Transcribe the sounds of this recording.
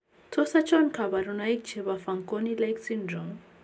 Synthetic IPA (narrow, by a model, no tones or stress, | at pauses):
tʰɔsat͡ʃʰɔnkʰabaɾunajk̚t͡ʃʰeβafaŋkʼonilajksindɾɔŋ